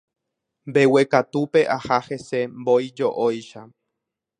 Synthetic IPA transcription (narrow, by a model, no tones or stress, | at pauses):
mbe̞we̞kat̪upe̞ʔahahesembojd͡ʒoʔojʃa